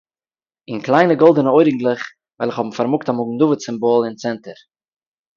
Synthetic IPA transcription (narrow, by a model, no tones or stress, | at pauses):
ɪnklˠaɪnəɡɔlˠdənəɔɪɾɡŋ̩tlˠɪχ | vaɪlˠɪχhɔbm̩faɾmʊktamʊɡŋ̩dʊvət͡sɪmbɔlˠɪnt͡sɛntəɾ